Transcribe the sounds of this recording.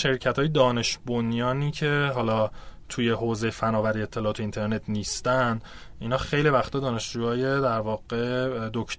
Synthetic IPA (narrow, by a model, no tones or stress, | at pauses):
ʃe̞ɾcʰæt̪ʰɒːjed̪ɒːne̞ʃbonjɒːniːcʰe̞ɦɒːlɒːt̪ʰuːje̞ɦoːze̞jefænɒːvæɾiːet̪ʰːe̞lɒʔːt̪ʰoint̪ʰe̞ɾne̞t̪ʰniːst̪ænd̪ | inhɒːxejlivæxt̪ʰɒːd̪ɒːne̞ʃd͡ʒuːjɒːje̞d̪æɾvɒːɣ̥e̞d̪ok̪ʰ